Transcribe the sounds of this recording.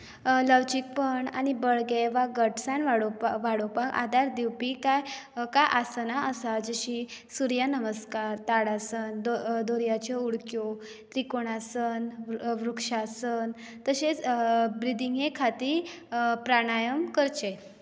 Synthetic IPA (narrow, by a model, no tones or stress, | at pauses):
ləʋd͡ʑik̚pəɳa̰ñibəɭɡeʋaɡəʈsãnʋaɽoʋaɽopaka̰d̪aɾd̪iwpikajkaʔasənaʔəsad͡zəɕisuɾjanəməskaɾt̪aɽasənd̪od̪oɾjat͡ɕɔuɽkjo | t̪ɾikoɽ̃asənʋɾukʂasən | t̪əɕet͡sbɾid̪iŋɡẽkʰat̪iːɾ | pɾaɽ̃ajəmkəɾt͡ɕe